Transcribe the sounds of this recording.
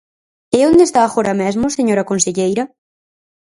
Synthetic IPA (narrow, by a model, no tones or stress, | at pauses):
eɛond̪est̪aːxoɾɐmɛzmʊseɲoɾɐkonseʎejɾɐ